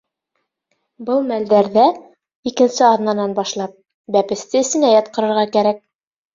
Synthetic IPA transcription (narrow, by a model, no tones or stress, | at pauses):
bɤlˠmæld̪æɾðæ | ikɘ̆nsɘɑðnɑnɑnbɑʃlˠɑp̚ | bæpɘ̆st̪ɘɘ̆sɘ̆næjɑt̪̚qɤ̆ɾɤ̆ɾʁɑkæɾæk̚